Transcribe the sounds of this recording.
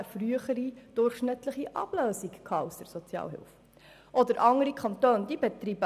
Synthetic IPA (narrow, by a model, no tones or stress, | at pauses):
əfryəχəɾid̥ʊrχʃnɪtləχiʔɑ̰b̥løːsikkʰɑːʊsdəɾsɔt͡sjɑ̰ːlɦɪ̰lf | ʔɔd̪əɾʔɑŋəɾikʰɑnt̪øːnd̥ibɛt̪riːbə